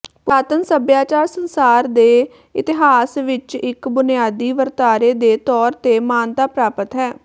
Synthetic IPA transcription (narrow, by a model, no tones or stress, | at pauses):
paːt̪ənsəbjaːt͡ʃaːɾsənsaːɾd̪eː | ɪt̪ɪɦaːsʋɪt͡ʃɪkbʊnɪjaːd̪iːʋəɾt̪aːɾeːd̪eːt̪ɔːɾt̪eːmaːnt̪aːpɾaːpət̪ɦɛː